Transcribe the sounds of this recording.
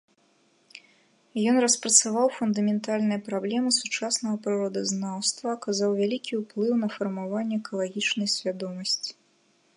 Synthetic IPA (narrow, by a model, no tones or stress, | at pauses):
jɔnrɐspɾɐt̪savawfund̪ɐmʲɛnt̪alʲnɨjɐpɾablʲɛmɨsut͡ʂasnɐɣɐpɾɨɾɔd̪ɐznawst̪vɐːkazawvʲalʲikʲiwplˠɨwnɐfɐrmavanʲːɛɛkɐlˠaɣʲit͡ʂnɐjsʲvʲad̪ɔmɐsʲt͡sʲi̥